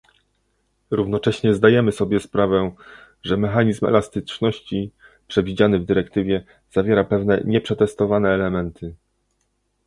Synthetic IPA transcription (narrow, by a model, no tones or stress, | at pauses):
ɾuvnɔt͡ʂɛɕɲɛzd̪ajɛmɘsɔbʲjɛspɾavɛ | ʐɛmɛxaɲizmɛ̰last̪ɘt͡ʂnɔɕt͡ɕi | pʂɛvʲid͡ʑanɘvd̪ɘɾɛkt̪ɘvʲjɛ | z̥avʲjɛɾapɛvnɛɲɛpʂɛt̪ɛst̪ɔvanɛːlɛmɛnt̪ʰɘ